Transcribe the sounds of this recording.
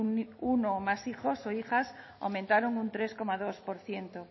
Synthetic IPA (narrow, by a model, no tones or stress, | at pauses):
unomasixosoixas | a̰wmẽnt̪aɾoŋunt̪ɾeskomaðospoɾθje̞nt̪o